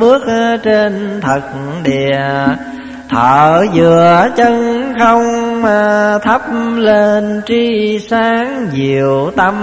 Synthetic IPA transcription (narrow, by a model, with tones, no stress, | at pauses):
ɓɨ˦˥ək̚t͡ɕe˧nt̪ʰə˨˩k̚ɗḭ˨ | t̪ʰəː˧˩zɨ˨˩˨ət͡ɕə˧ŋxə˧wŋ͡mmaː˨˩t̪ʰə˦˥p̚le˧nt͡ɕi˧saː˨˦ŋzi˨˩əwt̪ə˧